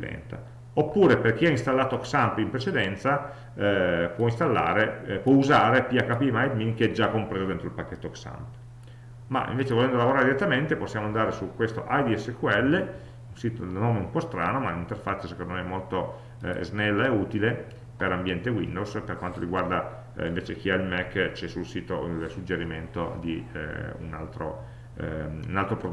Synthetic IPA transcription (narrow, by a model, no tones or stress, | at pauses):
lɛ̰nt̪a̰ | opːuːɾeperk̟iainst̪alːaːt̪oksampimpɾet͡ʃed̪ɛnt̪sa | pwɔinst̪alːa̰ːɾepwɔuzaːɾepiakːapimajd̪miŋkeɛd͡ʒakːompɾeːzod̪ent̪ɾoilpakːet̪ːooksa̰mp | ma̰ʔḭɱveːt͡ʃevolɛnd̪olavoɾaːɾed̪iɾet̪ːament̪eposːjaːmoand̪aːɾesukːwest̪o̰ʔajd̪iɛsːekuɛlːe | unsiːt̪o̰noːmeumpɔst̪ɾaːnomalint̪erfat͡ʃːasekõnd̪omeɛmːolt̪o̰ | znɛlːaeuːt̪ile | peɾambjɛnt̪ewḭnd̪owsperkwant̪oɾiɡward̪a | iɱveːt͡ʃek̟iailmɛkːt͡ʃɛsulsiːt̪od̪elsud͡ʒeɾiment̪o̰d̪ḭṵnalt̪ɾo̰ | unalt̪ɾopɾo